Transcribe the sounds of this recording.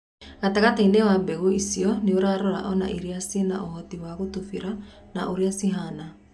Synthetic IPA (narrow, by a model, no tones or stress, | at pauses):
ɣataɣatainewambɛɣuisiɔneoɾaɾɔɾa̰ʔɔna̰ʔiɾiasina̰ʔoɦɔtiwaɣotufiɾa | naʔoɾiasiɦana